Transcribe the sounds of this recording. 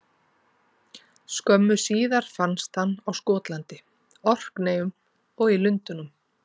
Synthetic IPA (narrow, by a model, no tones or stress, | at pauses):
skœmːʏsiːðaɾ̥fanst̪hanːawskɔːt̪lant̪ɪ | ɔr̥kneːjʏm | ɔɣilʏnt̪ʏnʏm